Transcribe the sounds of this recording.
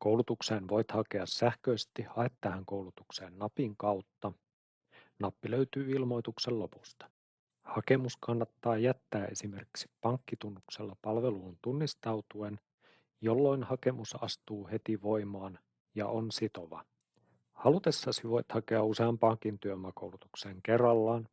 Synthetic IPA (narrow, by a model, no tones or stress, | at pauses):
kowlut̪ukseːnʋo̞jt̪hɑke̞ɑsːæhkøːst̪iɑet̪ːæhæŋkowlut̪ukse̞ːnːɑpiŋkɑwt̪ːɑ | nɑpːiløyt̪yːilmo̞jt̪ukselːo̞pu̥st̪ɑ̥ | hɑke̞muskɑnːɑt̪ːɑːjæt̪ːæːʔe̞̰sime̞rki̥ksi̥ppɑŋkːit̪unːukse̞lːɑpɑlʋe̞luːnt̪unːist̪ɑwt̪uen | jo̞lːo̞inhɑke̞musɑ̰st̪uːhe̞t̪iʋo̞jmɑːn | jɑ̰ʔonsit̪o̞ʋɑ̰ | hɑlut̪e̞sːɑsiʋo̞jt̪hɑkeɑuseɑmpɑŋkint̪yømæko̞wlut̪ukseːŋkerːɑlːɑːn